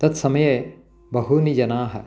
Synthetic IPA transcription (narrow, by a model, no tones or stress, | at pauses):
t̪ɐt̪sɐmɐje | bɐɦunid͡ʒɐnaːɦɐ̰̆